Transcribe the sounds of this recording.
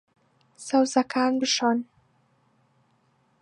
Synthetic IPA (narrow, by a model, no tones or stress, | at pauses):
sawzakʰanbɪʃan